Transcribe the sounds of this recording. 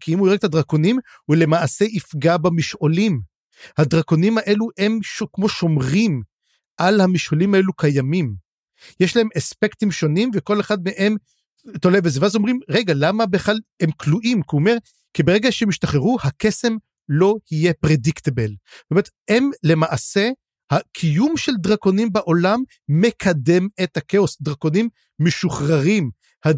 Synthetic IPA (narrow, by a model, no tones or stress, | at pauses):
kʰiimuieɡt̪adʁako̞nim | hule̞maːse̞ʔifɡabamiʃʔolim | hadʁako̞nimaʔe̞luemʃkmo̞ʃo̞mʁim | ʔalhamiʃʔolimaelukajamim | jeʃlahe̞mespe̞ktimʃo̞nimveko̞le̞χadmeʔem | tolevezeveazomʁimʁeɡalamabeχlalhemkluʔimkiomeʁ | kibeʁeɡaʃeemiʃtaχeʁuhakese̞m | lo̞hije̞pʁediktebeltometemle̞maʔase̞ | hakʰijumʃe̞ld̪ʁako̞nimbaʔo̞lamː | e̞kʰade̞methakeosd̪ʁako̞nimː | eʃuχʁaʁim | ha